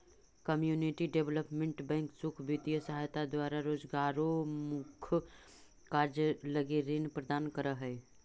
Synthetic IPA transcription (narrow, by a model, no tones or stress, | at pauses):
kəmjuniʈiɖebləpmẽɳʈbɛ̃ːŋksʊkʰbit̪ijəsəɦaːjt̪ad̪waːɾaɾoːd͡ʒɡaːɾomʊkʰ | kaːɾd͡ʒləɡeɾinpɾəd̪aːnkəɾəɦɛː